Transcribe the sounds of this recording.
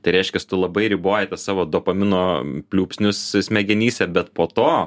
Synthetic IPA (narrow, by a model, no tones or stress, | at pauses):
t̪ɐɪɾʲɛɪʃʲkʲɛst̪ʊlˠɐbɐɪɾʲɪboːjɛt̪ɐsɑːʋoːd̪oːpɐmʲɪnoːpʲlʲuːpʲsʲnʲʊssʲmʲɛɡʲɛnʲiːsʲɛbʲɛt̪poːt̪oː